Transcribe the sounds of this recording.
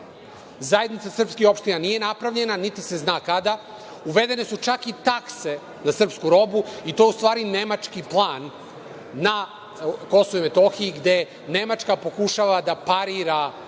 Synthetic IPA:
zaje̞d̪nit̪sasrpskixopʃt̪inanije̞napɾaʋʎe̞nanit̪ise̞znaːkad̪a | uʋe̞d̪e̞ne̞sut͡ʃakit̪akse̞ | nasr̩pskuɾo̞buit̪ojeust̪ʋaːɾine̞mat͡ʂkiplˠaːnː | a | ko̞souime̞t̪o̞xiːɡd̪e̞ | ne̞mat͡ʃkapo̞kuʃaʋad̪apaɾiɾa

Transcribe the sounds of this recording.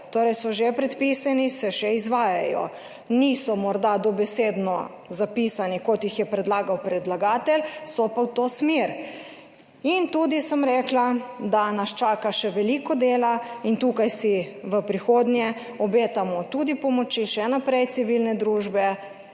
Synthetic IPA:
t̪oːɾɛjsɔʒepɾɛt̪pisanisɛʃɛizʋaːjajɔ̰ | nisɔmɔɾd̪ad̪ɔbɛseːd̪nɔ | zapisanikɔt̪jixjɛpɾɛd̪laːɡawpɾɛd̪laɡaːt̪ɛlsɔpawt̪oːsmeɾ | int̪uːd̪isəmɾɛːklad̪anast͡ʃaːkaʃɛʋɛlikɔd̪eːlaint̪uːkajsiʋəpɾixoːd̪njɛ | ɔbeːt̪amɔt̪ud̪ipɔmɔt͡ʃiʃɛnapɾɛjt̪siʋilnɛd̪ɾuːʒbɛ

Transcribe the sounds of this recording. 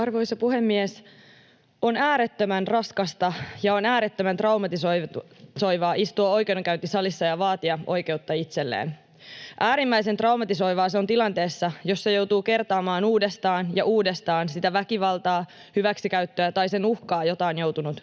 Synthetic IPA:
ɑrʋo̞jsɑpuhemːies | o̞næːɾet̪ːømænrɑskɑst̪ɑjɑo̞næːɾet̪ːømænt̪rɑwmɑt̪isoso̞jʋɑːʔist̪uɑo̞jkewoŋkæynt̪isɑlisːɑjɑʋɑːt̪iɑʔo̞jke̞ut̪ːɑit̪se̞lːḛːn | ʔæːɾimːæjsent̪rɑumɑt̪iso̞jʋɑːseo̞nt̪ilɑnt̪e̞ːsːɑjo̞sːejo̞wt̪uːke̞rt̪ɑːmɑːnuːdest̪ɑːnjɑʔuːdest̪ɑːnsit̪æʋækiʋɑlt̪ɑː | hyʋæksikæɥt̪ːøæt̪ɑjsenuhkɑːjo̞t̪ɑːnjo̞wt̪unut̪

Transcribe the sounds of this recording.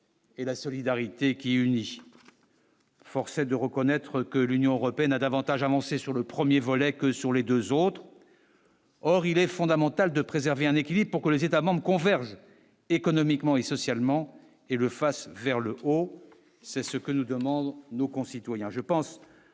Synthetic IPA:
elasɔlid̪aʁit̪ekʲiyni | fɔʁsɛd̪əʁəkɔnɛt̪χəkəlynjɔ̃øʁɔpeɛnad̪avɑ̃t̪aʒavɑ̃sesyʁləpχəmjevɔlɛkəsyʁled̪øzot̪χ | ɔʁilɛfɔ̃d̪amɑ̃t̪ald̪əpχezɛʁveɛ̃nekʲilibʁpuʁkəlezet̪amɑ̃bʁəkɔ̃vɛʁʒ | ekɔnɔmikmɑ̃esɔsjalmɑ̃ | eləfasvɛʁləʔo | sɛsəkənud̪əmɑ̃d̪nokɔ̃sit̪wajɛ̃ʒəpɑ̃s

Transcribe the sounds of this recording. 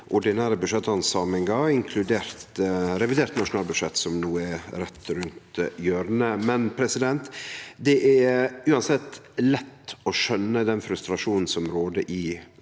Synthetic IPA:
ʔʊɖɪnæːɾəbʉdʂɛt̪ːɑnsɑːmɪŋɡɑɪŋkʰlʉd̪eːɾt̪ɾɛʋɪd̪eːɾt̪nɑʂʊnɑːlbʉd̪ʂɛt̪ːsɔmnuːəɛɾɛt̪ːɾʉnt̪jøːɾnəmɛnpʰɾɛsɪd̪ɛnt̪d̪ɛʔæʉːɑnsɛt̪ːlɛt̪ːɔʃœnːəd̪ɛnfɾʉst̪ɾɑʂuːnn̩sɔmɾoːd̪əʔɪ

